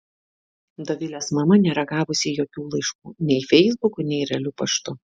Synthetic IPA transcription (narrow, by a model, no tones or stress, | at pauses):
d̪ɐʋʲɪlʲesmɐmɐnʲeːɾɐɡɑːʋʊsʲɪjoːkʲuːlˠɐɪʃkuːnʲɛɪfʲɛɪzbʊkʊnʲɛɪɾʲɐlʲʊpɐʃt̪ʊ